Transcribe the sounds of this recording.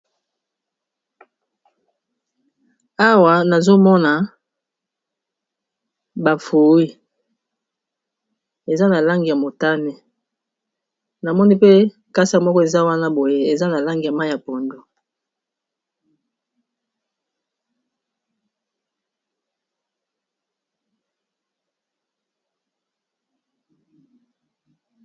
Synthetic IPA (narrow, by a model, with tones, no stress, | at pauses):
a˦wa˨na˨zo˦mɔ˦na˨ | ba˨fu˨wi˦ | e˨za˦na˨la˦ŋɡi˨ja˨mo˨ta˦ne˨ | na˨mɔ˦ni˦pe˦ | ka˦sa˦mɔ˦kɔ˦e˨za˦wa˦na˦bo˨je˦e˨za˦na˨la˦ŋɡi˨ja˨ma˦˨ja˨po˨ndo˨